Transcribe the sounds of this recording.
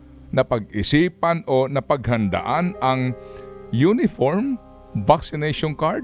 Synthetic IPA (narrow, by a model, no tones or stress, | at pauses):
nɐpɐɡ̚ɪsiːpɐnonɐpɐɡ̚hɐnd̪ɐ̰ʔanɐŋ | junɪfoɹm | vaksɪnɛjʃonkaɹd̪̚